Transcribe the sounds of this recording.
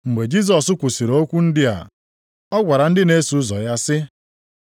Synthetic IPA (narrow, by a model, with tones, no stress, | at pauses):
ŋ͡m̩˨ɡ͡be˨d͡ʒi˦s̬ɔ˨sʊ˦kʷu˨si˨ɾo˦kʷu˦n̩˦dɪ˦a̰˨ | ɔ˦ɡʷa˨ɾa˨n̩˦dɪ˦ne˦su˨ʊ˦zɔ̰˨ja˦sɪ˦